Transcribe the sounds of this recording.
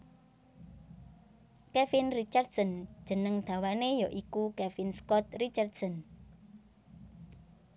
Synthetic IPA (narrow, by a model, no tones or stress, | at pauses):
kɛfinrit͡ʃart̪sɔnd̥ʒ̥ə̤nəŋd̪̥a̤wanejɔʔikukɛfinskɔt̪̚rit͡ʃart̪sɔn